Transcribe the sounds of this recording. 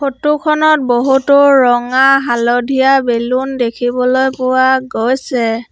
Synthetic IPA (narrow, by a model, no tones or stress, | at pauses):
xotukʰɔnɔt̚boɦutɔɹɔŋaɦalodʱijabelundekʰibɔlojpʊwaɡojsɛ